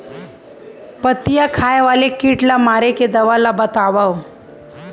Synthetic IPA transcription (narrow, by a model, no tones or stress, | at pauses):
pət̪ːijakʰajʋalekiʈlamaɾeked̪əʋalabət̪aʋaw